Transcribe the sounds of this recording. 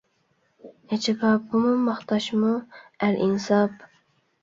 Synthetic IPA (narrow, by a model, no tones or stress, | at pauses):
et͡ʃʰɪbɑpːumumɑχt̪ɑʃmuælʔinsɑp